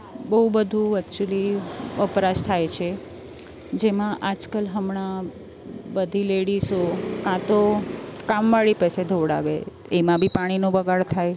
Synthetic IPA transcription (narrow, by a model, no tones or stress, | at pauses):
bəɦubəd̪ʱũəkt͡ʃuliəpɾaʃt̪ʰajt͡ʃʰe | d͡ʒemãʔad͡ʒkəlɦəmɳ̃a | bəd̪ʱileɽisokãt̪okamʋaɭipəsed̪ʱoɽa̰ʋḛ | emãbʱipaɽ̃inobəɡʱaɭt̪ʰaj